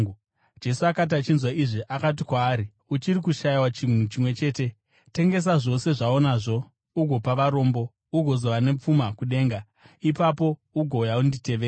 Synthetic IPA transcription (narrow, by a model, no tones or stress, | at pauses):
d͡ʒe̞suakat̬at͡ʃinzwaiʐiʔakat̬ikwaːɾi | ut͡ʃiɾik̬uʃaiwat͡ʃin̤ut͡ʃimwe̞t͡ʃe̞ːte̞ | te̞ŋɡe̞s̬aʐo̞se̞ʐao̞naʐo̞ | uɡʱo̞paʋaɾo̞ːmbo̞ | uɡʱo̞zo̞ʋane̞p͡fumakuɗe̞ːŋɡa | ipapo̞uɡʱoujaundite̞ʋeːa